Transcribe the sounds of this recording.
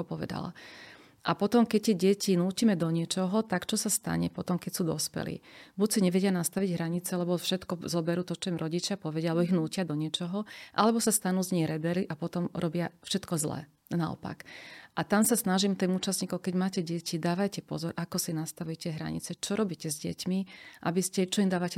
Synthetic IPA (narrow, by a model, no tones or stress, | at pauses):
ɔpɔʋɛ̰d̪a̰la̰ | ʔapɔt̪ɔmkɛc̚t̪ɛɟɛcinuːcimɛd̪ɔɲɪɛt͡ʃɔɦɔt̪akt͡ʃɔsast̪a̰ɲɛ̰pɔt̪ɔmkɛcsuːd̪ɔspɛ̰lḭːbucsiɲɛʋɛɟɪanast̪aʋiɟɦɾaɲit͡sɛlɛbɔfʃɛt̪kɔzɔbɛɾuːt̪ɔt͡ʃɔimɾʔɔɟit͡ʃɪapɔʋɛɟɪalɛbɔiɣnuːcɪad̪ɔɲɪɛt͡ʃɔɦɔʔa̰lɛbɔsast̪anuːzɲɛjɾɛbɛɾliʔapɔt̪ɔmɾɔbɪafʃɛt̪kɔzlɛ̰ː | naɔ̰pa̰kʔat̪amsasnaʒimt̪iːmuːt͡ʃasɲiːkɔʊkɛɟmaːcɛɟɛcʰid̪aːʋajcɛpɔ̰zɔɾʔakɔsinast̪aʋujɛcɛɦɾa̰ɲḭt͡sɛt͡ʃɔɾɔbiːcɛzɟɛ̰cmiʔa̰biscɛt͡ʃɔind̪aːʋacɛ